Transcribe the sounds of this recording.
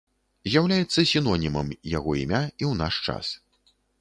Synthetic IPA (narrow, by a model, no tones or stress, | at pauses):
zʲjawlʲajɛt̪sːɐsʲinɔnʲimɐmjaɣɔḭmʲaiwnaʂt͡ʂa̰s